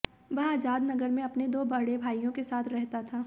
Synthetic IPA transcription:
ʋɐɦaːd͡ʒaːd̪nɐɡəɾmẽɐpned̪oːbɐɽebʱaːijõkesaːt̪ʰɾɛɦt̪at̪ʰaː

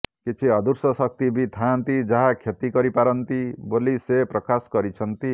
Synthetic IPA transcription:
kit͡ʃʰiɔd̪uɾsɔsɔk̚t̪ibit̪ʰant̪id͡ʒaɦakʰet̪ikɔɾipaɾɔnt̪ibolisepɾɔkaskɔɾit͡ʃʰɔnt̪i

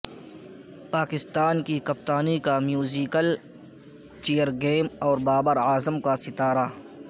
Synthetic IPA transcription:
paːkɪst̪aːnkikɐp̚t̪aːnikamjuːziːkəl | t͡ʃeːəɾɡeːmɔːɾbaːbəɾaːzəmkasɪt̪aːɾa

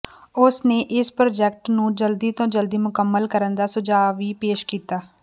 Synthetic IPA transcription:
ʊsneːʔɪspɾoːd͡ʒɛk̚ʈnũːd͡ʒəld̪iːt̪õːd͡ʒəld̪iːmʊkəmːəlkəɾənd̪aːsʊd͡ʒaːʋiːpeːʃkiːt̪aː

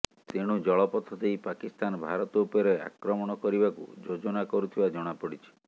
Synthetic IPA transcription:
t̪eɽ̃ud͡ʒɔɭɔpɔt̪ʰɔd̪eipakist̪anɔbʱaɾɔt̪ɔupɔɾea̰kɾɔmɔɽ̃ɔkɔɾibakṵd͡ʒod͡ʒɔnakɔɾut̪ʰibad͡ʒɔɽ̃apɔɽit͡ʃʰi̥

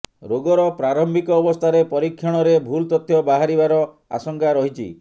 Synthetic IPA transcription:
ɾoɡɔɾɔpɾaɾɔmbʱikɔːbɔst̪ʰaɾepɔɾikʰjɔɽ̃ɔɾebʱult̪ɔt̪ʰːjɔbaɦaɾibaɾɔ | a̰sɔŋkaɾɔɦit͡ʃʰḭ

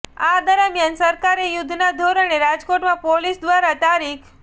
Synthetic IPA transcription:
ad̪əɾəmjansəɾkaɾejʊd̪ʱnad̪ʱoɾəneɾad͡ʒkoʈmãpolisd̪ʋaɾat̪aɾikʰ

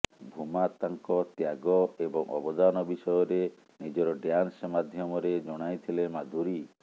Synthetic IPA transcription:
bʱumat̪aŋkɔt̪jaɡɔebɔŋʔɔ̰bɔd̪anɔbisɔjɔɾe | nid͡ʒɔɾɔɖjansmad̪ʱjɔmɔɾed͡ʒɔɽ̃ajt̪ʰilemad̪ʱuɾi

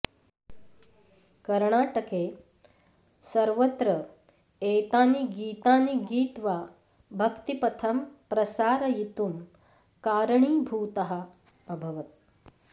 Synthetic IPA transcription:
kɐɾɳaːʈɐkeː | sɐɾʋɐt̪ɾɐ | eːt̪aːniɡiːt̪aːniɡiːt̪ʋaː | bʱɐkt̪ipɐt̪ʰɐmpɾɐsaːɾɐjit̪um | kaːɾɐɳiːbʱuːt̪ɐɦɐ̆ | ɐbʱɐʋɐt̪̚

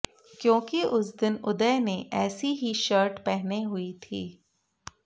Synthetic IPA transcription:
kjõːkiʔʊsd̪ɪnʊd̪ɛneʔɛːsiɦiʃəːɾʈpɛɦneɦʊit̪ʰḭː

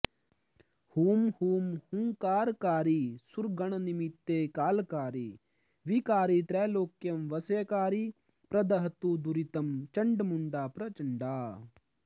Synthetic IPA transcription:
huːmhuːmhuŋkaːɾkaːɾisuɾɡɐɳ̃ɐnimit̪ːeːkaːlkaːɾi | ʋikaːɾit̪ɾɛːloːkjɐmʋɐsɐjɐkaːɾi | pɾɐd̪ɐɦɐt̪ud̪uɾit̪ɐmt͡ʃɐɳɖmuɳɖaːpɾɐt͡ʃɐɳɖaː

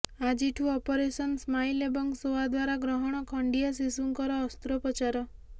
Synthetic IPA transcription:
ad͡ʒiʈʰuɔpɔɾesɔnsmajlebɔŋsoad̪waɾaɡɾɔɦɔɽ̃ɔkʰɔɳɖias̬isuŋkɔɾɔːst̪ɾɔpɔt͡ʃaɾɔ

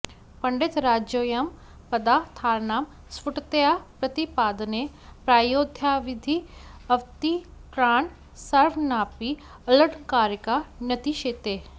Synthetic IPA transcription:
pɐɳɖɪt̪ɾaːd͡ʒjoːjɐm | pɐd̪aːt̪ʰaːɾnaːm | sʊʈt̪ejapɾɐt̪ipaːd̪nepɾaːjoːd̪ʱjaːʋɪd̪ʱiɐʋt̪ikɾaːɳ | sɐɾʋnaːpi | ɐləʈʰkaːɾəkanjɐt̪iʃeːt̪eː

